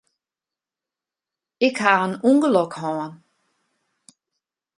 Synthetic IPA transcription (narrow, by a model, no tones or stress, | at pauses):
ɪkhaənuŋɡəlɔkhɔːən